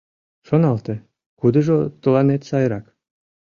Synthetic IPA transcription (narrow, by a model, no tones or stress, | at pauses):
ʃonɑlˠt̪e | kud̪ə̆ʒot̪ə̆lˠɑnet̪sɑjɾɑk